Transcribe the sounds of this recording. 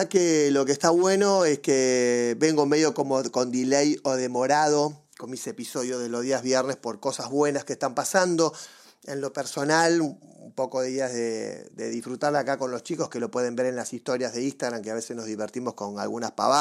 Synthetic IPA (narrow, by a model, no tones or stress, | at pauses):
akelo̞kest̪aβwe̞no̞eskeβe̞ŋɡome̞ðjo̞ko̞mokond̪ilejoðemoɾaðo̞ | komisepiso̞ðjoðelo̞zðiazβjɛɾnespo̞ɾko̞sazβwe̞naskest̪ampasand̪o̞ | enlo̞peɾso̞naluumpo̞koðeiaðḛd̪ḛðisfɾut̪aɾlakako̞nlost͡ʃiko̞skelo̞pwe̞ð̞e̞mbe̞ɾe̞nlasist̪o̞ɾjazðe̞ĩst̪aɣɾamkeaβe̞sesnozðiβeɾt̪imo̞sko̞na̰lɣunaspa̰βa